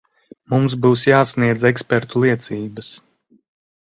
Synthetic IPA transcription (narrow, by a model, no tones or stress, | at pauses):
mumsbuːsjaːsniɛd̪zɛkspɛɾt̪ulˠiɛt̪siːbɐs